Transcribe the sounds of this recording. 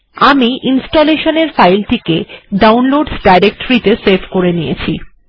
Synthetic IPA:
amiʔinsʈoleʃoneɾfajlʈikeɖawnloɖsɖajɾek̚ʈoɾit̪eseɾfkoɾenijḛt͡ɕʰḭ

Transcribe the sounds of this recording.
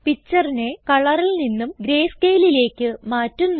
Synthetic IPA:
pit͡ɕːɐrine̞kɐɭɐrilninːumɡɾe̞ːskeːlile̞ːkʲːɨmaːtːunː

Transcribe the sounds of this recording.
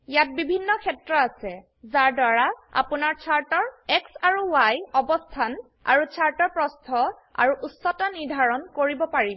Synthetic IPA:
jat̚bibʱinːɔkʰɛtɹɔasɛ | zaɹdaɹaa̰punaɹt͡ʃʰaɹtɔɹɛksaɹuwajɔbɔstʰan | a̰ɹut͡ʃʰaɹtɔɹpɹɔstʰɔ | a̰ɹuʔusːɔtaniɹdʱaɹɔnkoɹibɔpaɹibɔ

